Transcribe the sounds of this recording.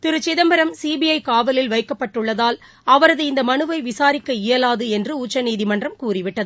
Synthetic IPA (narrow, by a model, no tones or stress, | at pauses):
t̪ɪɾɯt͡ʃːɪðɐmbɐɾɐmsiːbijɐɪkaːʋɐlɪlʋɐɪkːɐpːɐʈːɯɭːɐðaːl | ɐʋɐɾɐðɯɪnd̪ɐmɐnɯʋɐɪʋɪsaːɾɪkːɐɪjɐlaːðɯɛndrɯuːt͡ʃːɐniːðɪmɐndrɐmkuːrɪʋɪʈːɐðɯ